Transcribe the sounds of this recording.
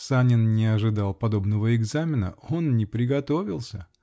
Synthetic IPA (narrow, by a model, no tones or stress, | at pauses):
sanʲɪnnʲɪɐʐɨd̪ɑlˠpɐd̪o̞bnəvəɪɡzamʲɪnə̰o̞nnʲɪpɾʲɪɡɐt̪o̞vʲɪlˠsʲə